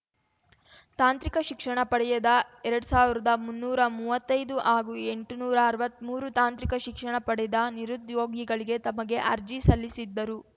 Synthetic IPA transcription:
t̪aːnt̪ɾikɐʃikʂɐɳɐpɐɽɛjɐd̪ɐɛɾɐɽusaːʋiɾɐd̪ɐmunːuːɾɐmuʋɐt̪ːɐjd̪uʔaːɡuːe̞ɳʈnuːɾɐːɾʋɐt̪ːmuːɾut̪aːnt̪ɾikɐʃikʂɐɳɐpɐɽɛd̪ɐniɾud̪joːɡiɡɐɭiɡe̞t̪ɐmɐɡe̞ʔɐɾd͡ʒisɐlːisid̪ːɐɾu

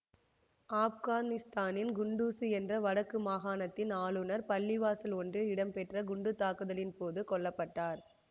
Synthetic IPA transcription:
aːfɣaːnɪst̪aːnɪnɡʊɳɖuːsɯɛndrɐʋɐɽɐkːɯmaːɣaːnɐt̪ːɪnaːɭɯnɐɾpɐɭːɪʋaːsɪlɔndrɯɪɽɐmpɛʈrɐɡʊɳɖɯt̪ːaːkɯðɐlɪnpoːðɯkɔɭːɐpːɐʈːaːɾ

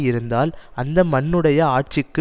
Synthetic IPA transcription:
jɪɾɯnd̪aːlɐnd̪ɐmɐnːɯɽɐjɐaːʈ̚t͡ʃɪkːɯ

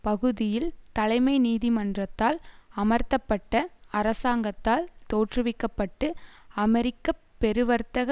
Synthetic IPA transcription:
pɐɣɯðɪjɪlt̪ɐlɐɪmɐɪniːðimɐndrɐt̪ːaːlɐmɐɾt̪ɐpːɐʈːɐɐɾɐsaːŋɡɐt̪ːaːlt̪oːʈrɯʋɪkːɐpːɐʈːɯɐmɛɾɪkːɐpːɛɾɯʋɐɾt̪ɐɣɐ

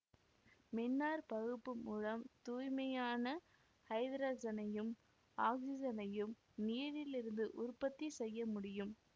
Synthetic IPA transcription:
mɪnːaːɾpɐɣɯpːɯmuːɻɐmt̪uːjmɐjaːnɐ | hɐɪd̪ɾaːd͡ʒɐnɐjɯm | aːksɪd͡ʒɐnɐjɯm | nijɐɾɪlɪɾɯnd̪ɯʔʊɾpɐt̪ːisɛjːɐmʊɽɪjɯm

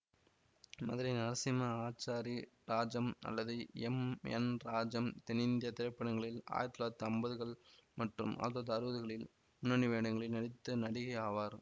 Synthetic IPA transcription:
mɐðɪɾinɐɾsɪmɐaːt͡ʃːaːɾiɾaːd͡ʒɐmɐ̰lːɐðɯɛmɛ̰nɾaːd͡ʒɐmt̪ɛnɪnd̪ɪjɐt̪ɪɾɐɪpːɐɽɐŋɡɐɭɪla̰ːjɐt̪ːɯlaːt̪ːɯɐmbɐðɯɣɐɭmɐʈrɯ̰mʔɐ̰ðɐːðɐɾɯʋɐðɯɣɐɭɪl | mʊnːɐniʋeːɳɐŋɡɐɭɪlnɐɽɪt̪ːɯnɐɽɪɣɐjaːʋaːɾ

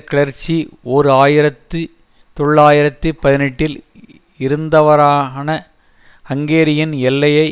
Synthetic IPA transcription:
kɪɭɐɾt͡ʃːioːɾɯaːjɪɾɐt̪ːɯ | t̪ɔɭːaːjɪɾɐt̪ːɯpɐðɪnɛʈːɪl | ɪɾɯnd̪ɐʋɐɾaːnɐ | ɐŋɡeːɾɪjɐnɛlːɐjɐɪ

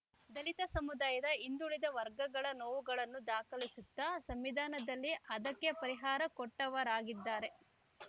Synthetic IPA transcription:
d̪ɐlit̪ɐsɐmud̪aːjɐd̪ɐind̪uɭid̪ɐʋɐɾɡɐɡɐɭɐnoːʋuɡɐɭɐnːud̪aːkɐlisut̪ːɐsɐmʋid̪ʱaːnɐd̪ɐlːiʔɐd̪ɐkːe̞pɐɾiɦaːɾɐkɔʈːɐʋɐɾaːɡid̪ːaːɾe̞

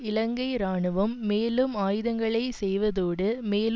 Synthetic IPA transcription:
ɪlɐŋɡɐɪɾaːɳɯʋɯmːeːlɯmaːjɯðɐŋɡɐɭɐɪsɛjʋɐðoːɽɯmeːl

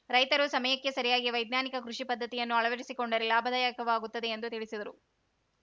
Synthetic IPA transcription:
ɾɐjt̪ɐɾusɐmɐjɐkːe̞sɐɾijaːɡiʋɐjd̪naːnikɐkɾuʂipɐd̪ːɐt̪ijɐnːuɐɭɐʋɐɾisikoɳɖɐɾelaːbʱɐd̪ɐjakɐʋaːɡut̪ːɐd̪e̞ːnd̪ut̪iɭisid̪ɐɾu

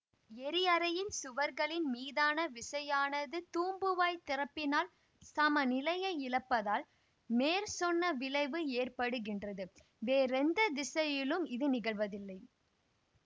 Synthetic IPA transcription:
ɛɾɪɐɾɐjɪnsʊʋɐɾɣɐɭɪnmiːðaːnɐʋɪsɐjaːnɐðɯt̪uːmbɯʋaːjt̪ɪɾɐpːɪnaːl | sɐmɐnɪlɐjɐɪɪlɐpːɐðaːl | meːɾsɔnːɐʋɪlɐɪʋɯeːrpɐɽɯɣɪndrɐðɯ | ʋeːɾɛnd̪ɐd̪ɪsɐjɪlɯmɪðɯnɪɣɐɭʋɐðɪlːɐɪ

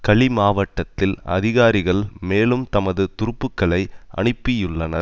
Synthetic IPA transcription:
kɐɭimaːʋɐʈːɐt̪ːɪlɐ̰ðɪɣaːɾɪɣɐɭmeːlɯmt̪ɐmɐðɯt̪ʊɾɯpːɯkːɐɭɐɪʔɐ̰ɳɯpːɪjɯɭːɐnɐ

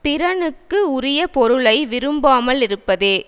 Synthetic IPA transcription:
pɪɾɐɳɯkːɯʊɾɪjɐpɔɾɯɭɐɪʋɪɾɯmbaːmɐɭɪɾɯpːɐðeː

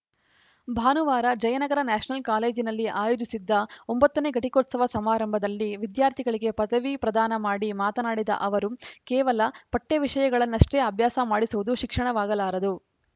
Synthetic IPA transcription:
bʱaːnuʋaːɾɐd͡ʒɐjɐnɐɡɐɾɐnaːʂɐnɐlkaːle̞ːd͡ʒinɐlːiʔaːjoːd͡ʒisid̪ːɐombɐt̪ːɐneːɡɐʈikoːt̪sɐʋɐsɐmaːɾɐmbʱɐd̪ɐlːiʋid̪jaːɾt̪ʰiɡɐɭiɡe̞pɐd̪ɐʋipɾɐd̪aːnɐmaːɽimaːt̪ɐnaːɽid̪ɐ̰ʔɐʋɐɾukɛːʋɐlɐpɐʈːeʋiʂɐjɐɡɐɭɐnːɐʂʈe̞ːɐbʱjaːsɐmaːɽisuʋud̪uʃikʂɐɳɐʋaːɡɐlaːɾɐd̪u

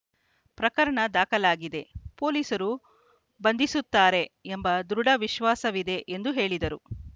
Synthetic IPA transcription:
pɾɐkɐɾɐɳɐd̪aːkɐlaːɡid̪e̞po̞ːliːsɐɾu | bɐnd̪isut̪ːaːɾe̞embɐd̪ɾuɽɐʋiʃʋaːsɐʋid̪e̞ʔend̪uɦe̞ːɭid̪ɐɾu

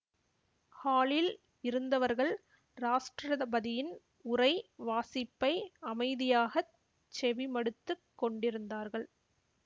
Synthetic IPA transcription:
haːɭɪl | ɪɾɯnd̪ɐʋɐɾɣɐɭ | ɾaːʂʈrɐðɐbɐðɪjɪn | ʊɾɐɪʋaːsɪpːɐɪɐmɐɪðɪjaːɣɐ | t͡ʃːɛʋɪmɐɽɯt̪ːɯkːɔɳɖɪɾɯnd̪aːɾɣɐɭ

